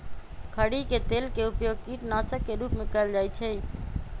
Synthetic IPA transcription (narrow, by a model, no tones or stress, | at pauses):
kʰəɽiket̪elkeupjoɡ̚kiʈnasəkːeɾupmekəld͡ʒajt͡ʃʰɛ